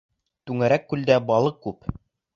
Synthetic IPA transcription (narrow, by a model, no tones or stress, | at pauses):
t̪ʉŋæɾækːʉld̪æbɑlˠɤq̚ːʉp